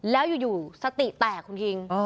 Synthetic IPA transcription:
lɛː˦˥wjuː˨˩juː˨˩sa˧˩t̪i˨˩ʔt̪ɛː˨˩kʰːu˧nki˧ŋɔ˧

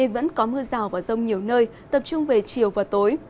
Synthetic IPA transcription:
e˨˩nvə̰˧˥nkɔ˨˦mɨ˧əzaː˨˩wvaː˨˩zə˧wŋ͡mɲi˨˩əwnəː˧j | t̪ə˨˩p̚t͡ɕʊ˧ŋ͡mve˨˩t͡ɕi˨˩əwvaː˨˩t̪o˨˦j

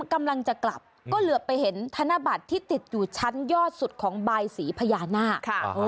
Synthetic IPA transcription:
ka˧mla˧ŋt͡ɕa˨˩kla̰˨˩p̚ | kɔː˥˩lɯ˩˦əpːa˧jhe˩˦nt̪ʰa˧na˦˧˥ba˨˩t̪ʰːiː˥˩t̪i˨˩t̪̚juː˨˩t͡ɕʰa˦˥njɔː˥˩t̪̚su˨˩t̪̚kʰɔː˩˦ŋbaː˧jsiː˩˦pʰa˧jaː˧naː˥˩kʰʔoː˧

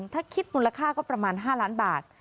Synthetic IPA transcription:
ŋt̪ʰaː˥˩kʰi˦˥t̪̚muː˧la˧kʰaː˥˩kɔː˥˩pɾa˧maː˧nɦaː˥˩laː˦˥nbaː˨˩t̪̚

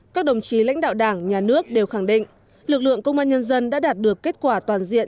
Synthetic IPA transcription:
kaː˦˥k̚ɗə˨˩wŋ͡mt͡ɕi˨˦la̰˧˥ŋ̟ɗa̰ː˧˨wɗaː˧˩ŋɲaː˨˩nɨ˦˥ək̚ɗe˨˩wxa˧˩ŋɗḭ̈˧˨ŋ̟ | lɨ˨˩k̚lɨ̰˧˨əŋkə˧wŋ͡mʔaː˧nɲə˧nzə˧nɗa̰ː˧˥ɗaː˨˩t̚ɗɨ˨˩əkːe˦˥t̚kwaː˧˩t̪waː˨˩nzḭ˧˨ən

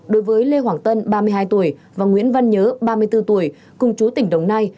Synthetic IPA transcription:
ɗo˨˦jvəː˨˦jle˧ɦwaː˧˩ŋt̪ə˧nɓaː˧mɨ˧əjɦaː˧jt̪u˧˩əjvaː˨˩ŋwḭ˧˥ənva˧nɲəː˨˦ɓaː˧mɨ˧əjt̪ɨ˧t̪u˧˩əj | kʊ˨˩ŋ͡mt͡ɕu˨˦t̪ï˧˩ŋ̟ɗə˨˩wŋ͡mna˧j

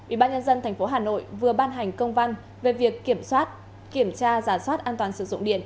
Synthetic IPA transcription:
ʔḭ˧˩ɓaː˧ɲə˧nzə˧nt̪ʰɛ˨˩jŋ̟fo˨˦ɦaː˨˩no̰˧˨jvɨ˨˩əɓaː˧nɦa˨˩jŋ̟kə˧wŋ͡mva˧n | ve˨˩vi˨˩əkːi˧˩əmswaː˦˥t̚ | ki˧˩əmt͡ɕaː˧zaː˨˧˩swaː˦˥t̚ʔaː˧nt̪waː˨˩nsɨ̰˧˩zʊ̰˧˨ŋ͡mɗḭ˧˨ən

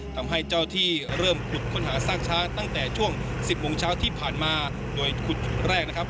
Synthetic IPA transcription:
t̪ʰa˧mɦa˥˩jt͡ɕa˥˩wt̪ʰiː˥˩ɾɤː˥˩mkʰu˨˩t̪̚kʰo˥˩nhɦaː˩˦saː˥˩ŋt͡ɕʰaː˦˥ŋt̪a˥˩ŋt̪ɛː˨˩t͡ɕʰu˥˩əŋsi˨˩p̚moː˧ŋt͡ɕʰaː˦˥wt̪ʰiː˥˩pʰaː˨˩nmaː˧ | doː˧jkʰu˨˩t̪̚t͡ɕʰu˨˩t̪̚ɾɛː˥˩k̚na˦˥kʰa˥p̚

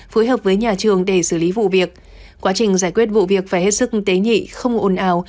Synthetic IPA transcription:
foː˨˦jɦəː˨˩p̚vəː˨˦jɲaː˨˩t͡ɕɨ˨˩əŋɗe˧˩sɨː˧˩li˨˦vṵ˧˨vi˨˩ək̚ | kwaː˨˦t͡ɕï˨˩ŋ̟zaː˧˩jkwi˦˥ət̚vṵ˧˨vi˨˩ək̚faː˧˩jhe˦˥t̚sɨ˦˥k̚t̪e˨˦ɲḭ˧˨xə˧wŋ͡mʔo˨˧˩nʔaː˨˦w

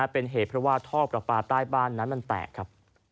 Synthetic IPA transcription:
a˦˥pe˧nɦeː˨˩t̪̚ʰɾɔ˦˥waː˥˩t̪ʰɔː˥˩pɾa˨˩paː˨˧˩t̪̚ɾaː˥˩jbaː˥˩nːa˦˥nma˧nt̪ɛ̰ː˨˩kʰɾa˦˥p̚

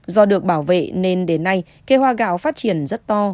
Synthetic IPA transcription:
zɔ˧ɗɨ˨˩ək̚ɓaː˧˩wvḛ˧˨ne˧nɗe˨˦nːa˧j | ke˧hwaː˧ɣa̰ː˧˥wfaː˦˥t̚t͡ɕi˧˩ənzə˦˥t̚t̪ɔ˧

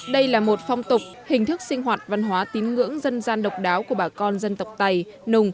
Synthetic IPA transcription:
ɗə˧jlaː˨˩mo˨˩t̚fa˧wŋ͡mt̪ʊ˨˩k͡p̚hï˨˩ŋ̟t̪ʰɨ˦˥k̚si˧ŋ̟ɦwaː˨˩t̚va˧nɦwaː˨˦t̪i˨˦ənŋɨ̰˧˥əŋzə˧nzaː˧nɗə˨˩wk͡p̚ɗaː˨˦wku˧˩əɓaː˧˩kɔ˧nzə˧nt̪ə˨˩wk͡p̚t̪a˧j | nʊ˧ŋ͡m

